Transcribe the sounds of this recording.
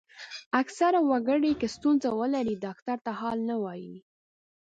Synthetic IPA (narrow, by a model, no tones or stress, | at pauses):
aksaɾawaɡəɽekest̪unzawəlaɾid̪ɑkt̪aɾt̪ahɑlnawɑji